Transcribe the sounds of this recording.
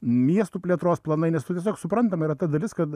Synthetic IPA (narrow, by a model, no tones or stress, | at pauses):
mʲiɛst̪uːpʲlʲɛːt̪ɾoːsplˠɐnɐɪnʲɛst̪ʊtʲɛsʲoːksʊpɾɐnt̪ɐmiɾɐt̪ɐd̪ɐlʲɪskɐt̪